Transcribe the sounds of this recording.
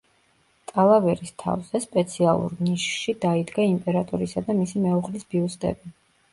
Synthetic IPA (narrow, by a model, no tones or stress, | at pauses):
t̪ʼalˠavɛɾist̪ʰa̰vz̥ɛspʼɛt̪sʰialˠṵɾniʃʃid̪aid̪ɡaimpʼɛɾat̪ʼuɾisad̪amisimɛuχlisb̥iust̪ʼɛ̰bi